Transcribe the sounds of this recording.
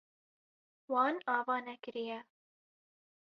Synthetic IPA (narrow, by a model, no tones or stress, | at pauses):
wɑːnɑːvɑːnɛkɨɾijɛ